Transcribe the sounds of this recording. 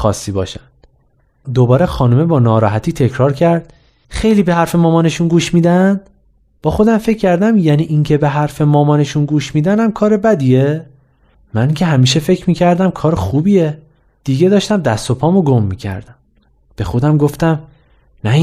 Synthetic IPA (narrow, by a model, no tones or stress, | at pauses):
xɒ̰ːsːiːbɒ̰ːʃænd̪̥ | d̪obɒːɾexɒːnume̞bɒːnɒːɾɒːɦæt̪ʰiːt̪ʰe̞cʰɾɒːɾcʰæɾd̪̥ | xe̞jliːbe̞hæɾfe̞mɒːmɒːne̞ʃunɡuːʃmiːd̪ænd̪̥ | b̥ɒːxo̞d̪æmfe̞cʰːæɾd̪æmjæniːʔiŋcʰe̞beɦæɾfe̞mɒːmɒːne̞ʃunɡuːʃmiːd̪ænæmkʰɒːɾe̞bæd̪ie | mæniŋcʲʰe̞ɦæmiːʃe̞fe̞cʰmiːcʰæɾd̪æmkʰɒːɾxuːbiːe | d̪̥iːɡe̞d̪ɒːʃt̪æmd̪æst̪o̞pʰɒːmoɡomːicʰæ̰ɾd̪æm | b̥e̞xo̞d̪æmɡoft̪æm | næ